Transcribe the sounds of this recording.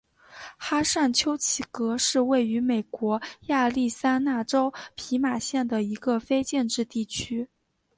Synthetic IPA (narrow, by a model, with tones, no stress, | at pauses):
xa˥ʂa˥˩nt͡ɕʰjo˥ʊt͡ɕʰi˥˩kɤ˧˥ʂɻ̩˥˧we˥˩ɪy˧˥me˨˩ɪkwɔ˧˥ja˥˧li˥˩sa˥na˥˩ʈ͡ʂo˥ʊpʰi˧˥ma˨˩ɕjɛ˥˩nd̪ə˩i˧˥ɡə˧fe˥ɪt͡ɕjɛ˥˧nʈ͡ʂɻ̩˥˧t̪i˥˩t͡ɕʰy˥